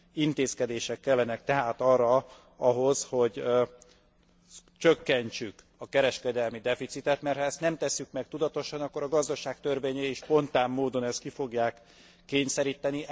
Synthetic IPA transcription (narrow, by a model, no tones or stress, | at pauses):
int̪eːskɛd̪eːʃɛkːɛlːɛnɛk̚t̪ɛɦaːt̪ɒrːɒ | ɒɦo̞sho̞ɟ | t͡ʃøkːɛɲt͡ʃyk | ɒkɛɾɛʃkɛd̪ɛlmid̪ɛfit̪sit̪ɛt̪mɛrt̪hɒɛst̪nɛmt̪ɛsːykmɛk̚t̪ud̪ɒt̪o̞ʃɒnɒkːo̞ɾɒɡɒzd̪ɒʃaːk̚t̪ørveːɲɛjiʃpo̞nt̪aːmːoːd̪o̞nɛst̪kifo̞ɡjaːkː | eːɲsɛɾiːt̪ɛni